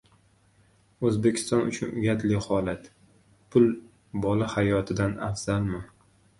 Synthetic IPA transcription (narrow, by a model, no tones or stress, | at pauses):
ɵzbe̞kʲʰɪ̥st̪ɒnʊ̰t͡ʃʰʊnʊɡʲat̪lɪhɒlat̪ | pʰʊl | bɒlahajɒt̪ʰɪd̪ana̰fz̥alma